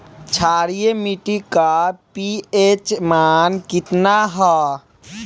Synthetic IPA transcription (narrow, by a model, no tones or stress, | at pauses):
t͡ʃʰaːɾijemiʈikapiet͡ʃmaːnkɪt̪naɦɔ